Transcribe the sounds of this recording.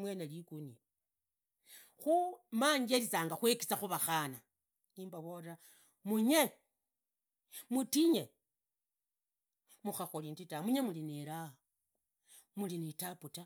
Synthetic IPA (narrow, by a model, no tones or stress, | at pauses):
mwenelikuni | xumaɲɡelisaːŋɡaxweki̥saxuβaxana | niːmbaβoɾa | muɲe | mutiɲe | muxaxolintitamuɲemulineɾaa | mulinitaputa